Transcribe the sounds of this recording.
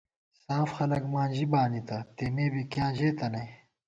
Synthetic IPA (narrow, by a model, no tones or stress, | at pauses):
saːfxɐlɐkmãːd͡ʑibaːnit̪ɐt̪emeːbikjãːʑeːt̪ɐnɐj